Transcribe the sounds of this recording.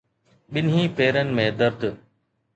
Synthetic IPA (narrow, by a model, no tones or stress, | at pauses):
ɓɪnɦĩːpeːɾənɪ̆mẽːd̪əɾd̪